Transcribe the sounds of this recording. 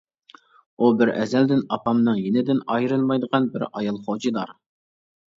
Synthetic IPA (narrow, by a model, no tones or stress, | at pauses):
ubɪɾɛ̰zɛld̪ɪnɑpʰɑmnɨŋjenɪd̪ɪnɑjɾɨnmɑjd̪əʁɑnbɪɾɑjɑlˠχod͡ʒid̪ɑɾ